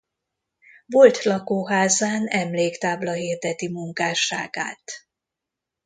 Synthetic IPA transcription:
vo̞lt̪lɒkoːɦaːzaːnɛmleːkt̪aːblɒɦiːrd̪ɛt̪imuŋkaːʃaːɡa̰ːt̪

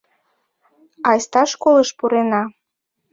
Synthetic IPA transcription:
ɑjst̪ɑʃkoləʃpuɾenɑ

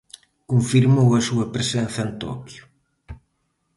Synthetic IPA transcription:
kũɱfiɾmowɐsuɐpɾesɛnθɐent̪ɔ̰kjʊ

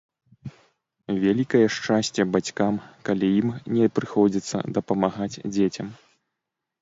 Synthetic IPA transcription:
vʲalʲikɐjɛʂt͡ʂasʲt͡sʲɛbat͡sʲkamkalʲijimnʲɛpɾɨxɔd͡zʲit̪sːɐ̰d̪ɐpɐmaɣat͡sʲd͡zʲet͡sʲɐm

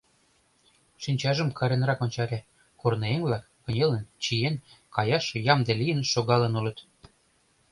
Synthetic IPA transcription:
ʃinʲt͡ɕɑʒə̆mkʰɑɾenɾɑkonʲt͡ɕɑɾʲæ | kornɤeŋβlɑkːɤ̆nʲelə̆nt͡ɕijenkɑjɑʃjɑmd̪elijə̆nʃoɣɑlə̆nulɤ̆t̪

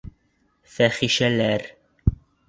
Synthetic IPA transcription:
fæχiʃælæɾ

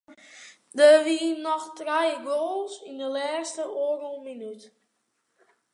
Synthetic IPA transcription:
dəʋinɔxtrajəɡoːlˠsindəlɛːstəʔoərulˠminyt

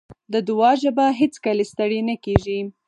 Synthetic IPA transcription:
d̪əd̪ʊwɑʒabaɦet͡skəlest̪əɽenakeʒi

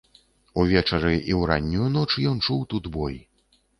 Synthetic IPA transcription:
uvʲɛt͡ʂɐɾɨʔiwɾa̰nʲːujunɔt͡ʂjɔnt͡ʂuwt̪ud̪bɔj

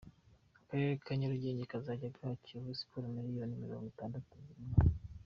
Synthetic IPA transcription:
akaeɾekʰaɲoɾuɟe̞ːɲɟekazaɟabɡaciβusi̥puɾmiɾijonimiɾo̞̰ːŋɡotaːndatunziima

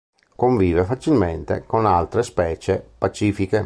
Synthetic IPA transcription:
koɱviːvefat͡ʃilment̪ḛkonalt̪ɾespɛːt͡ʃepat͡ʃiːfike

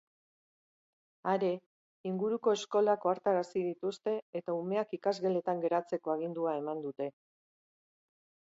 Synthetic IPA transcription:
aɾe̞ | iŋɡuɾuko̞e̞sko̞lako̞aɾt̪aɾasiðit̪ust̪e̞ːt̪aume̞akikazɣele̞t̪aŋɡe̞ɾat͡se̞ko̞aɣ̞ind̪uae̞mand̪ut̪e̞

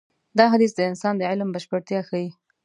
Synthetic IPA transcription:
d̪ɑɦad̪isd̪əɪnsɑnd̪əʕɪlmbəʃpəɽt̪jɑxawi

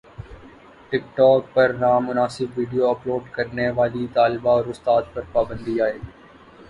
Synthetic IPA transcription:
ʈɪk̚ʈɔːk̚pɐɾnaːmːʊnaːsɪbʋiːɖijoɐploːɖkɐɾneʋaːlit̪aːlɪbaɔːɾʊst̪aːt̪̚pɐɾpaːbə̃nd̪iaːeː

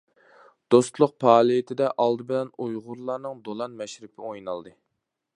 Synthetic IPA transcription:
d̪̥ost̪lˠʊq̚pʰɑːlˠijɪt̪ʰɪd̪ɛʔɑlˠd̪ɨbɪlɛnujʁʊɾlˠɑːnɨŋd̪olˠɑnmɛʃɾɪpʰɪojnɑlˠd̪ɨ

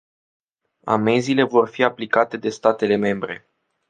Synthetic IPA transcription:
a̰me̞zile̞vo̞rfiaplikat̪e̞d̪e̞st̪at̪e̞le̞me̞mbɾe̞̰

